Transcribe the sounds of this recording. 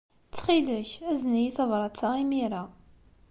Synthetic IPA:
t͡sːχiləçæznæjiθəvɾˤɑt͡sːɑimiɾæ

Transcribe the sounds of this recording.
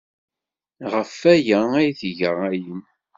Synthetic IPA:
ʁəfæjææjθʝəʁæjən

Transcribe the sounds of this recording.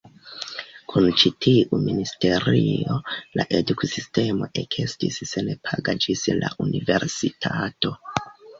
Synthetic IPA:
kʰunt͡ʃitʰiʔuministe̞ɾio̞laʔe̞dukusiste̞mo̞ʔe̞kʰestissenepʰaɡad͡ʒislaʔunive̞ɾsitʰato̞

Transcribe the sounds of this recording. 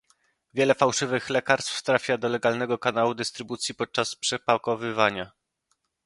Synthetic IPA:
vʲjɛlɛfawʂɘvɘxlɛkaɾst̪ft̪ɾafʲjad̪ɔlɛɡalnɛɡɔkanawud̪ɘst̪ɾɘbut̪sʲjipɔt̪̚t͡ʂaspʂɛpakɔvɘvaɲa

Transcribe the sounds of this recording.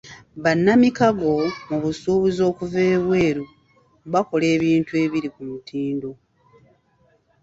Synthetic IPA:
βanːamikaɡo̞muβusuːβuzo̞ːkuve̞ːβwe̞ːɾu | βako̞le̞ːβiːntue̞ːβiɾikumutʰiːndo

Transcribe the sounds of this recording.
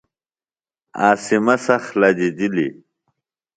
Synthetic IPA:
aːsimɐsɐxlad͡ʑid̪ilḭ

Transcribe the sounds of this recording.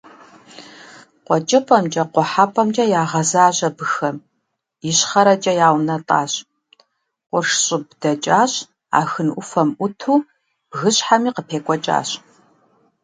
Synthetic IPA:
qʷɔt͡ʃʼɪpʼɐmd͡ʒʼɐqʷɔħaːpʰʼɐmt͡ʃʼɐjaːʁɐzaːɕɐbɨxɐm | jɪɕχɐɾɐt͡ʃʼɐjaːwnɐtʼa̰ːɕ | qʷʊrʂɕʼɪbdɐt͡ʃʼaːɕ | a̰ːxɨnʔʊfɐmʔʊtʰuː | b̥ɣɨɕħamiːqəpʰeːkʷʼɔt͡ʃʼa̰ːɕ

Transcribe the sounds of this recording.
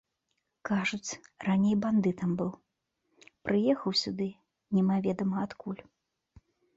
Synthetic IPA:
kaʐut͡sʲranʲejband̪ɨt̪ɐmbɨw | pɾɨjɛxɐwsʲud̪ɨ | nʲɛmavʲɛd̪ɐmɐat̪kulʲ

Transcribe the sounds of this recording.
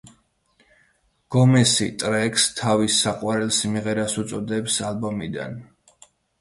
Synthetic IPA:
ɡ̥ɔmɛsit̪ʼɾɛkst̪ʰavisːaqʼwaɾɛlˠsmiʁɛɾasut̪sʼɔd̪ɛpsalˠbɔmid̪a̰n

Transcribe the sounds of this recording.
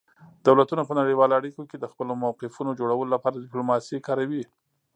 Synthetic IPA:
d̪awlat̪unapənaɽiwɑloaɽikoked̪əxpəlomawqɪfunod͡ʒoɽawəlolapɑɾad̪d̪ɪplomɑsikɑɾawi

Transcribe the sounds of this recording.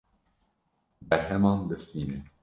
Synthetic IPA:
bɛɦɛmɑːnd̪ɨst̪iːne

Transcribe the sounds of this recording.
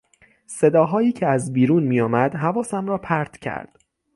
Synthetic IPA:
se̞d̪ɒːɦɒːjiːcʰeæzbiːɾuːnmiːjɒːmæd̪̥ɦævɒːsæmɾɒːpʰæɾt̪ʰcʰæ̰ɾd̪̥

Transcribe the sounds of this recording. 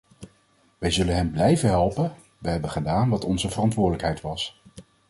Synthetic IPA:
ʋɛjzɵlənɦɛmblɛjvəɦɛlˠpən | ʋəɦɛbənχədaːnʋɑtɔnzəvərɑntʋʊːɹdələkɦɛjtʋɑs

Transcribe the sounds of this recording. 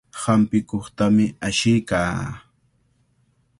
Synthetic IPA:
hampɪkoχt̪amɪaʃɪjkaː

